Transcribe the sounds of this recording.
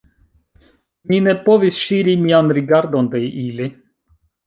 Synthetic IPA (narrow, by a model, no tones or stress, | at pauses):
mine̞po̞visʃiɾimianɾiɡaɾdond̪eʔili